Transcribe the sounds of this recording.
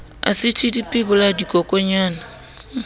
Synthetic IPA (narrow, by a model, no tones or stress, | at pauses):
a̰sɪtʰidipʼɪbʊladikʼɔkʼɔɲaːna